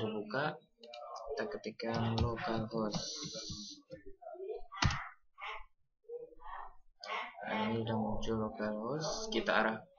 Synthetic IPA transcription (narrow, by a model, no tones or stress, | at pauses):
dibukaʔ | t̪akət̪ikanlokalɦɔs | a̰nidaŋuɲt͡ʃʊlokalɦɔskit̪aaɾa